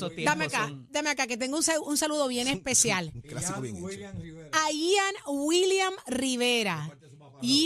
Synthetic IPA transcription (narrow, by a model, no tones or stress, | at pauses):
d̪ameakad̪ameakake̞t̪̬e̞ŋɡounsaunsaluðo̞βje̞nespe̞sjalklasikoβeŋet͡ʃoajianwiljamriβe̞ɾa | i